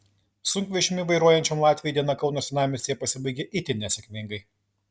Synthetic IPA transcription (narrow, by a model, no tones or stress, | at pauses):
sʊŋʲkʲʋʲiʃʲɪmʲɪʋɐɪɾuɔjɛnʲt͡ʃʲomlˠɑːt̪ʲʋʲɪjɛˑd̪ʲiɛnɐkɐʊnosʲɪnɑːmʲɪst̪ʲejɛpɐsʲɪbɐɪɡʲɛʔɪt̪ʲɪnʲɛsʲɛkʲmʲɪŋɡɐɪ